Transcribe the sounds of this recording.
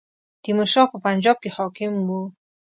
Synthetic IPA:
t̪imuʃɑpəpand͡ʒɒb̚kehɑkɪmbu

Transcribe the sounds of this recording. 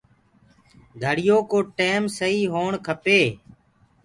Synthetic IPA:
ɡʱəɽɪjoːkoːʈeːmsəiːɦoːɳkʰəpeː

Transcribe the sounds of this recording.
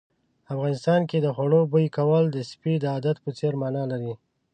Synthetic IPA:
afɣɑnɪst̪ɑnked̪əxwaɽobəjkawəld̪əspid̪əɑd̪at̪̚pət͡seɾmɑnɑlaɾi

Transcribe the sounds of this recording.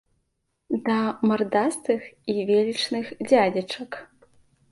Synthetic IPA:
d̪ɐmɐrd̪ast̪ɨxivʲelʲit͡ʂnɨxd͡zʲad͡zʲɐt͡ʂɐk

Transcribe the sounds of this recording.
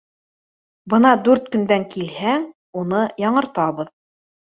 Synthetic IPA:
bɤnɑd̪ʉɾt̪kɵ̆nd̪æŋkilhæŋ | unɤjɑɴɤ̆ɾt̪ɑβɤ̆ð

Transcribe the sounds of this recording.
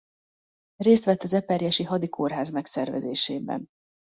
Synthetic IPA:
reːst̪ʋɛt̪ːɒzɛpɛrjɛʃiɦɒd̪ikʰorɦaːzmɛksɛrvɛ̰zeːʃeːbɛ̰n

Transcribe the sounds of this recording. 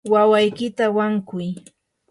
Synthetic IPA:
wawajkɪt̪awaŋkʊj

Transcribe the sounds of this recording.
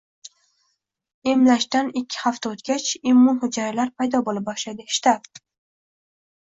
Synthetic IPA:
e̞mlaʃt̪anɪkʲʰːɪ̥haft̪aot̪kʲat͡ʃɪmːʊnhʊd͡ʒaɾɪlaɾpʰajd̪ɒbolɪp̚ɒʃlad̪ɪʃt̪ap

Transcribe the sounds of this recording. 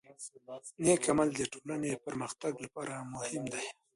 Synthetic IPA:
nekamald̪əʈolanepəɾməxt̪aɡlapɑɾamʊhɪmd̪aj

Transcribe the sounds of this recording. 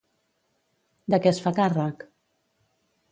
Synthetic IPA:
d̪əkɛsfakarək

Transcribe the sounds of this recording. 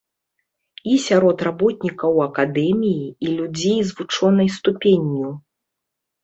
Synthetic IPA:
isʲaɾɔt̪rabɔt̪ʲnʲikɐwɐkad̪ɛmʲijiilʲud͡zʲejzvut͡ʂɔnɐjst̪upʲenʲju

